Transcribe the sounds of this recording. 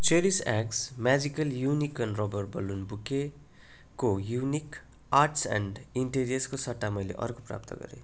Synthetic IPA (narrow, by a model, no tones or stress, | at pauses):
t͡seɾisaksmad͡zikʌljunikʌnrobʌrbʌlunbuke | kojunik | arʈsa̰ɳɖiɳʈeɾijʌskosʌʈːamʌjlḛʔʌ̰rkopra̰p̚t̪ʌ̰ɡʌ̰ɾḛ